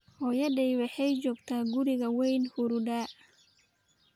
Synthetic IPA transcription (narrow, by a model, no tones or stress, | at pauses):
hɔːjɐɖɛjwɑħɛjt͡ʃɔːɡt̪ʰaːɡʊɾɪɣɐwɛjnhʊɾʊɖaː